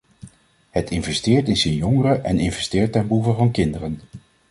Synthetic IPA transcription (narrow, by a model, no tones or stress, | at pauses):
ɦətʰɪnvɛstɪːɹtɪnsənjɔŋərəʔɛnɪnvɛstɪːɹtɛnbuvəvɑnkɪndərən